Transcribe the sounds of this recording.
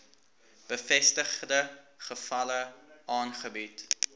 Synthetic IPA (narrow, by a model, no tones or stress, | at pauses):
b̥əfɛstəχdə | χəfɐləʔɑːnχəbit